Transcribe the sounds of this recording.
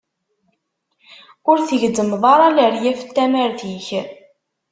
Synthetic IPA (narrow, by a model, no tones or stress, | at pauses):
ʊɾθəʝd̪əmðˤɑɾˤɑləɾjæfə̥t̪ːæmæɾθiç